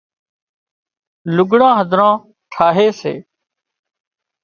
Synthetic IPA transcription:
lʊɡɽãːɦəd̪ʱɾãː | ʈʰaːɦeːsḛː

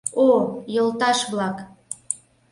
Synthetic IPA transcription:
ojolt̪ɑʃβlɑk

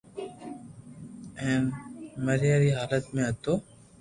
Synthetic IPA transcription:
ɛ̃ːnməɾjaːɾiːɦaːlət̪mẽːɦət̪oː

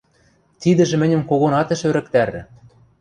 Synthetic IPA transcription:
t̪id̪ɘ̆ʒĕmɘ̆nʲɘ̆mkoɣonɑt̪ɘ̆ʃø̆ɾɘ̆kt̪æɾɘ̆

